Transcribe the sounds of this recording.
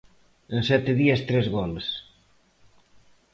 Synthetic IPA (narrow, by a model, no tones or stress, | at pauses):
ensɛt̪eðiest̪ɾezɣɔls